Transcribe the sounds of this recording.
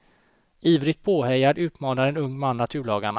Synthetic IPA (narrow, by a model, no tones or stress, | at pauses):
iːvɾɪt̪̚pʰoːɦɛjaɖʉ̟ːt̪mɑːnaɾɛnɵŋːmanːat̪ʰʉ̟ːɭɑːɡaɳ